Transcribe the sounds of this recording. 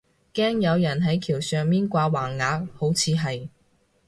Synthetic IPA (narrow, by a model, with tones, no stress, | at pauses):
kɛː˥ŋjɐ˨˧wjɐ˨˩nɦɐ˨˥jkʰiː˨˩wsœː˨ŋmiː˥nkʷaː˧waː˨˩ŋːaː˨˧˥k̚ho˨˥wt͡sʰiː˨˧ɦɐ˨j